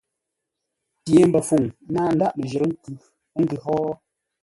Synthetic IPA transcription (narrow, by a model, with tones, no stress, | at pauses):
pje˨m̩˦bə˨fu˨ŋ˦naː˦n̩˦da˦ʔmə˨ʒə˨ɾə˦ŋ̩˦kʉ˨˦ | ŋ̩˦ɡɨ˨ɦɔ˦